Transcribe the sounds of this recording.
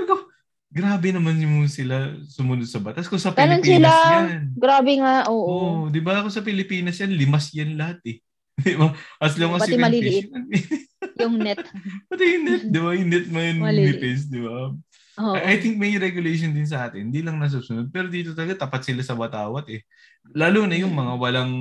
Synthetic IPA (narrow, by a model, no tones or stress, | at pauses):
ɐɡo | ɡɾaːbɛnɐmanjʊsɪlasʊmʊnod̪̚sɐbɐt̪askosɐpɪalnonpisɪlajnɡɾaːbɛŋaʔoːʔʔod̪ɪbaɐkosɐpɪlɪpiːnɐsjanlɪmasjɐnlɐhat̪ɛ | d̪ɪbaʔɐs̬lɐŋmɐpɐtɪɪɐliɪʔɪɐ | jʊŋnɛt̪̚pɐt̪ɪjʊŋnɛt̪̚d̪ɪbajʊŋnɛt̪̚mɐjonlɪppɛs̬d̪ɪba | ʔɐjt̪ɪŋk̚mɐjɾɛɡjʊlejʃ̬ond̪ɪns̬ɐʔaːt̪ɪnd̪ilɐŋnɐs̬ubsʊnod̪̚pɛːɾod̪iːt̪ot̪ɐlɐɡat̪ɐpɐt̪̚sɪlasɐwɐt̪aːwɐt̪ɛ | laːloːnɐjʊŋmɐŋawɐlaŋ